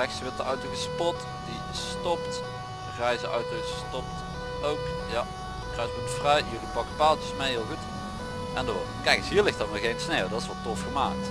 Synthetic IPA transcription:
ɛksiʋɪɹtəʔœɥtəɣəspɔt | di | stɔpt | ɛjzəœ̰ɥtəɣəstɔp̚t | owk | ja | rɛjtʋɔɹtfrɛjjɵlipɑkəpaːlˠt͡ʃəsmejɦɪːlˠɣut | ʔɛndo | kɛjkəsɦiːɹlɪxtɑtmaːɹɣejnsneːlˠdɑtɪsʋɑlˠtɔfxəmaːk̚t

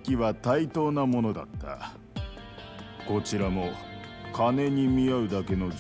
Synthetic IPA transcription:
kʲiβat̪ait̪o̞ːnamo̞no̞d̪a̰t̪ːa̰ | ko̞t͡ɕiɾamo̞kane̞ɲ̟imʲiaɯ̟d̪ake̞no̞d͡ʑ

